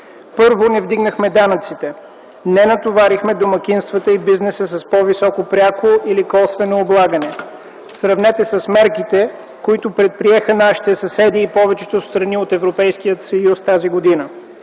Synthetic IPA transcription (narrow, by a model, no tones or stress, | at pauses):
pɤɾvonɛvd̪iɡnəxmɛd̪anət̪sit̪ɛ | nɛnɐt̪ovaɾixmɛd̪omɐk̟inst̪vət̪əibiznɛsəsɐspɔvisɔkopɾʲakoʔilikɔlˠst̪vɛnoːblˠaɡənɛ | sɾɐvnɛt̪ɛsɐsmɛɾkit̪ɛ | koit̪ʊpɾɛt̪̚pɾiɛxənaʃi̥t̪ɛsɐsɛd̪iːpɔvɛt͡ʃɛt̪ost̪ɾɐniot̪ɛvɾopɛjskijət̪sɐjust̪aziɡod̪inə